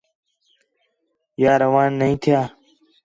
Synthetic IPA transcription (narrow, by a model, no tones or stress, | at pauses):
jaːɾɐwaːnːɐĩːt̪ʰjaː